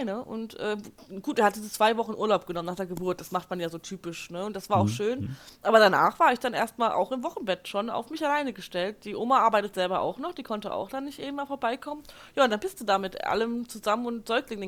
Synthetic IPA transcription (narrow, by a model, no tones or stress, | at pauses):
nəʔʊ̰ntʔɛːɡ̥uːteːɐhat̚d̥iːzət͡sv̥aɪvɔχn̩ʔuːɐlaʊp̚ɡ̥ənɔmənaːχd̥eːɐɡəbʊɐt̚d̥asmaχtmanjaːzoːtʰyːpɪʃnəʊntd̥asv̥aːɐaʊxʃøːnʔaːbɐɾana̰ːχv̥aːɐɪçd̥anʔḛːɐstmaːlʔa̰ʊxɪmvɔχn̩bɛtʃona̰ʊfmɪçalaɪnəɡəʃtɛlt̚d̥iːʔoːmaʔaɐbaɪtətz̥ɛlbɐʔa̰ʊxnɔχd̥iːkʰɔntəʔa̰ʊxd̥anːɪçtʔeːbmaːfoːɐbaɪkʰɔmən | jaːʊntd̥anbɪstd̥uːdaːmɪtʔa̰ləmt͡suzamənʊntz̥ɔʏklɪŋ